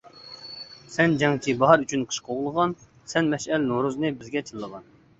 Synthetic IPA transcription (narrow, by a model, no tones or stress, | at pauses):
sɛnd͡ʒɑŋt͡ʃʰibɑɦɑɾyt͡ʃʰynqʰə̥ʃqʰoʁlˠəʁɑn | sɛnmɛʃɛlnoɾuznɨbɪzɡʲɛt͡ʃʰəlˠːəʁɑn